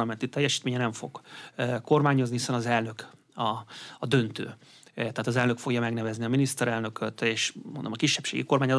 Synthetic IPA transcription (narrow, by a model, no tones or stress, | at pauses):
ɒmɛnt̪it̪ɛjːɛʃiːt̪meːɲɛnɛɱfo̞̰ɡ̥ko̞rmaːɲo̞znihisɛnɒzɛlnø̞k | ɒːd̪ø̞nt̪ø̰ː | t̪ɛɦaːt̪ɒzɛlnø̞kfo̞ɡjɒmɛɡnɛvɛzniɒminist̪ɛɾɛlnø̞kʰøt̪eːʃmond̪omɒkiʃːɛpʃḛːɡḭko̞rmaːɲɒz